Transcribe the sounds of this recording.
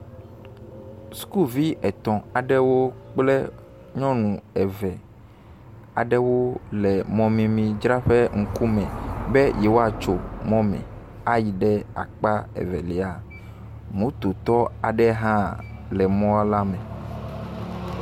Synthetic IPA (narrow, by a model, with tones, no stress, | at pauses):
sku˦lvi˦ʔɛ˨t̪ɔ̃˨a˨ɖɛ˦wo˦k͡plɛ˦ | ɲɔ̃˦nũ˨ɛ˨vɛ˨ | a̰˨ɖɛ˦wo˦lɛ˨mɔ̃˨mĩ˨mĩ˨d͡ʒɾa˦ɸe˦ŋ̩˦ku˦mɛ̃˨bɛ˦jɛ˨wo˦a˨t͡ʃo˨mɔ̃˦mɛ̰̃˨ | a˦ji˨ɖɛ˦a̰˨k͡pa˦ɛ̰˨vɛ̰˨le˨a˨ | mũ˨˦t̪o˨t̪ɔ˦a̰˨ɖɛ˦ɦã˦lɛ˨mɔ̃˦a˦la˦mɛ̃˨